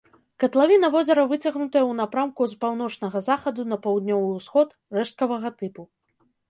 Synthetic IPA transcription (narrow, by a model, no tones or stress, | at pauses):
kɐt̪lˠavʲinɐvɔzʲɐɾɐvɨt͡sʲɐɣnut̪ɐjɐwnapɾamkuzpawn̪ɔt͡ʂnɐɣɐzaxɐd̪unɐpɐwd̪nʲɔvɨwsxɔt̪ | rɛʂt̪̚kɐvɐɣɐt̪ɨpu